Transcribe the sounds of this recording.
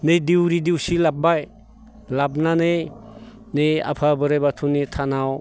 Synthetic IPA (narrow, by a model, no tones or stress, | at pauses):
nejdiwɾidiwsilab̚aj | lab̚nanej | nea̰pʰabɯɾajbatʰunitʰanaw